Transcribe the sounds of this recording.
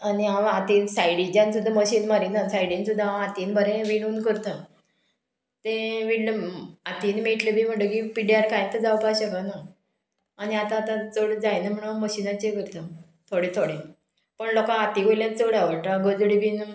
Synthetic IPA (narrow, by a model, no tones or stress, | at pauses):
aniaat̪iːnsajɽit͡ɕjãnsud̪ʱːaməɕiːnmaɾinasajɽinsud̪ʱːaat̪iːnbʱəɾẽʋiɽ̃uːnkəɾt̪a | t̪ẽʋiɽləat̪iːnmeʈlebʱiːm̤əɳʈəkipiɖiaɾkajt̪əd͡zawpaɕəkənaː | niat̪ãːt̪ãt͡səɽd͡zajnam̤əɽ̃uməɕinat͡ɕekəɾt̪ə | t̪ʰoɽet̪ʰoɽe | pəɳlɔkaat̪iɡojljãt͡səɽaʋəɭʈaɡod͡zɽibin